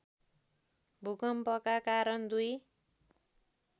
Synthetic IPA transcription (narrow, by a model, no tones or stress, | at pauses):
bʱukʌmpʌkakaɾʌnd̪uj